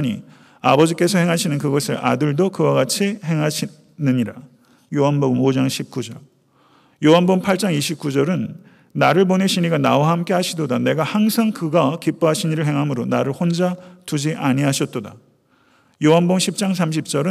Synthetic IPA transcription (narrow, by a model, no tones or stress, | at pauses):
ɲi | abʌd͡ʑik͈e̞sʰʌheŋɦaɕʰinɯnkɯɡʌsʰɯɾa̰dɯɭdokɯwaɣat͡ɕʰihe̞ŋɦaɕʰi | nɯɲiɾa | joɦanboɡɯmod͡ʑaŋɕʰip̚k͈ud͡ʑʌɭ | joɦanboɯmpʰaɭt͡ɕ͈aŋiɕʰip̚k͈ud͡ʑʌɾɯnː | aɾɯɭponeɕʰiɲiɡanawaɦamk͈ehaɕʰidodane̞ɡahaŋsʰaŋkɯɡakip͈oɦaɕʰiɲiɾɯɭɦe̞ŋɦamɯɾonaɾɯɭhond͡ʑatud͡ʑiʔaɲiɦaɕʰʌt̚t͈oda̰ | joɦanbomɕʰip̚t͡ɕ͈aŋs̬ʰamɕ̬ʰip̚t͡ɕ͈ʌɾɯ